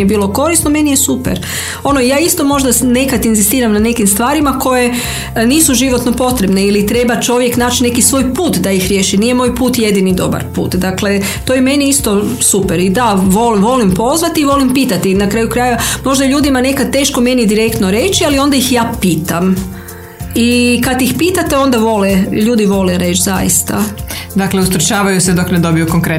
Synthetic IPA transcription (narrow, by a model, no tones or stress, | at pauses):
ebiːlˠo̞ko̞ɾisnome̞nije̞supḛɾ | o̞noijaːist̪o̞mo̞ʒd̪ane̞kat̪inzist̪iːɾamnane̞kimst̪ʋaːɾimako̞je | niːsuʒiʋo̞t̪no̞po̞t̪ɾe̞bne̞ilit̪ɾe̞bat͡ʃo̞ʋje̞knaːt͡ʃine̞kisʋo̞ːjpuːt̪d̪ajixɾʲje̞ːʃiniːjemojpuːt̪je̞d̪inid̪o̞̰ba̰ɾpṵːt̪d̪akle̞ | t̪o̞jeme̞niist̪o̞ | supeɾid̪aʋo̞liʋo̞limpo̞zʋat̪iːʋo̞limpiːt̪at̪inakɾaːjukɾaːjeamo̞ʒd̪aʎuːd̪imane̞kad̪̚t̪e̞ːʃko̞me̞nid̪iɾe̞kt̪noɾe̞t͡ʃialio̞nd̪ajixjaːpiːt̪am | ikad̪jixpiːt̪at̪e̞o̞nd̪aʋo̞leʎuːd̪iʋo̞leɾe̞ːt͡ʃza̰jḭst̪a̰d̪akleust̪ɾot͡ʃaːʋajused̪o̞kned̪o̞bijukoŋkɾe